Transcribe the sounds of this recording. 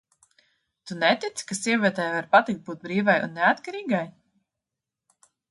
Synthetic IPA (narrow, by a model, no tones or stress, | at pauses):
t̪unɛt̪it̪skasiɛvʲiɛt̪ɛjvaɾpat̪ik̚t̪̚buːt̪̚bɾiːvajṵnːɛat̪kaɾiːɡaj